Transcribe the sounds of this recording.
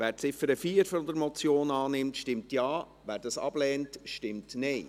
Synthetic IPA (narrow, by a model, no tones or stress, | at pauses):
ʋæːɾt͡sɪfəɾəfiːəɾfɔnd̪əɾmɔt͡sjoːnɑːnɪmtʃtɪmtjɑː | ʋæːɾdɑsɑ̰b̥lɛːntʃtɪmtnɛɪ